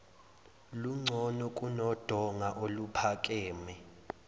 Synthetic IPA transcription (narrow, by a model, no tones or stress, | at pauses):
luŋ͡ǀʱɔnɔkʼunɔd̥ʱɔŋaʔolupʰakʼɛːmɛ